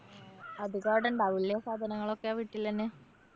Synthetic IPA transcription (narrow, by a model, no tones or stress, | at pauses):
ɐd̪ʱiɣaːɽɐɳɖaːʋilːɐjɐsaːd̪ʱɐnɐŋːɐɭo̞kːeaːʋiʈːilːɐɐnːe